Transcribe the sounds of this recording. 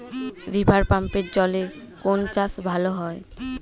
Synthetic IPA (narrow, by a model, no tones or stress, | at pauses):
ɾibʱaɾpampeɾd͡ʑɔle | kont͡ɕasbʱaloɦɔe